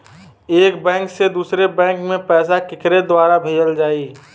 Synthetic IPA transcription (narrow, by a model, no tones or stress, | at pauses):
eːkbɛ̃ːŋksed̪uːsɾebɛ̃ːŋkmẽpɛːsakɪkɾed̪waːɾabʱeːd͡ʒəld͡ʒaːiː